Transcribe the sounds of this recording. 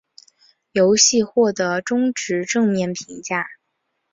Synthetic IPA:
jo˧˥ʊɕi˥˧xwɔ˥˩t̪ɤ˧˥ʈ͡ʂʊ˥ŋʈ͡ʂɻ̩˧˥ʈ͡ʂɤ˥˧ŋmjɛ˥˩npʰi˧˥ŋt͡ɕja˥˩

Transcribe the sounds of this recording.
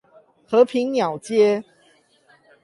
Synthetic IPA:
xɤ˨˦pʰi˨˦ŋnjɑ˨˩ʊt͡ɕjɛ˦

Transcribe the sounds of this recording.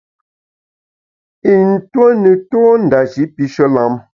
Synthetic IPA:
i˨n̩˨twə˦nə˨toː˦n̩˨da˨d͡ʒi˨˦pi˦ʃɔ˦la˦m

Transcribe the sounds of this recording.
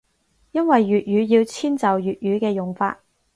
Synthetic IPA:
jɐ˥nwɐ˨jːyː˨t̚jyː˨˥jiː˧wt͡sʰiː˥nt͡sɐ˨˩wjyː˨˩t̚jyː˨˧kɛː˧jʊ˨˩ŋfa̰ː˧t̚

